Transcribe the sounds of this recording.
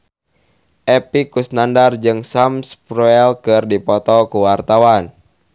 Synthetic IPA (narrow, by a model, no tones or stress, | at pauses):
ʔɛpikusnandard͡ʒɨŋsamspɾɔɛlkɨrdipɔt̪ɔkuwart̪awan